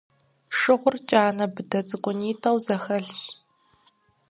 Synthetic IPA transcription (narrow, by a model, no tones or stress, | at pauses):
ʂɨʁʷʊrt͡ʃʼaːnɐbɨdɐt͡sʼɨkʷʼʊniːtʰɐwzɐxɐɬɕ